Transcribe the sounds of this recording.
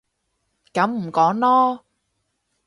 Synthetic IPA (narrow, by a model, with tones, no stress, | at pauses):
kɐ˨˥mm̩˨˩kɔː˨˥ŋlɔː˥